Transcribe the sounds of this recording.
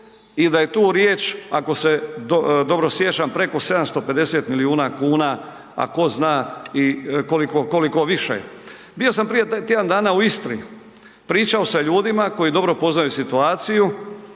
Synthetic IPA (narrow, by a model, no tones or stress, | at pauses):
id̪aje̞t̪uːɾjeːt͡ʃako̞se̞d̪od̪o̞bɾosjet͡ʃampɾe̞ko̞se̞d̪amst̪o̞pe̞d̪e̞seːt̪miliuːnakuːna | a̰ko̞znaːikolikoko̞liko̞ʋiʃḛ | bijo̞sampɾijet̪jed̪and̪aːnauist̪ɾḭ | pɾiːt͡ʃao̞saʎuːd̪imako̞jid̪o̞bɾo̞po̞znajusit̪uaːt̪siju